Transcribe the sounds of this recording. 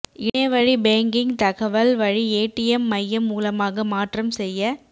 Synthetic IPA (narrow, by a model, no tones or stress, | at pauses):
ʔɪnɐʋɐɻibeːŋɡɪŋt̪ɐɣɐʋɐlʋɐɻieːʈːɪjɐmːɐjːɐmːuːlɐmaːɣɐmaːʈrɐmsɛjːɐ